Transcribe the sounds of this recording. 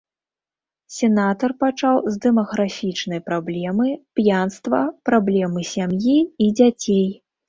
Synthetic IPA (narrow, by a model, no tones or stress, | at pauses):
sʲɛnat̪ɐrpat͡ʂawzʲd̪ɛmɐɣɾafʲit͡ʂnɐjpɾablʲɛmɨpjanst̪vɐ̰pɾablʲɛmɨsʲamjiid͡zʲat͡sʲej